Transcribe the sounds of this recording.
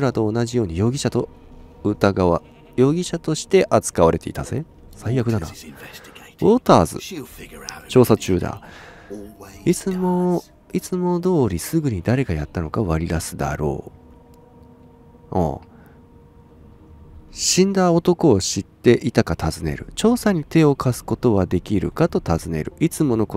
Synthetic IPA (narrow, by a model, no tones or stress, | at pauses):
ɯɾat̪o̞ːnaʑijo̞ːɲ̟ijo̞ːɡʲiɕat̪o̞ | ɯ̟t̪aɡaβa | jo̞ːɡʲiɕat̪o̞ɕi̥t̪e̞ʔat͡sɨ̥kaβaɾe̞t̪e̞it̪az̥ḛ | saijakɯd̪ana̰ | oːt̪aːzɨ̰ | t͡ɕo̞ːsat͡ɕɨːd̪a̰ | it͡sɨmo | it͡sɨmo̞d̪o̞ːɾʲisɨɡɯ̟ɲ̟id̪aɾe̞ɡajat̪ːano̞kaβaɾʲid̪asɨd̪a̰ɾo̞̰ː | õ̰ | ɕĩnd̪aot̪o̞ko̞ːɕit̪ːe̞ʔit̪akat̪azɨne̞̰ɾɯ̟̰t͡ɕo̞ːsaɲ̟it̪e̞o̞kʰasɨ̥ko̞t̪o̞βad̪e̞kʲiɾɯ̟kat̪o̞t̪azɨne̞̰ɾɯ̟ʔit͡sɨmo̞no̞ko